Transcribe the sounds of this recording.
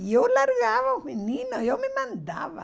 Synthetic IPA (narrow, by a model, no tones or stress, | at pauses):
jolaɾɣaβomenĩnojomẽmãnd̪a̰βa̰